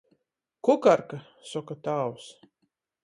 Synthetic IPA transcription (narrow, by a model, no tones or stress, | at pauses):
kukaɾka | sɔkat̪aːws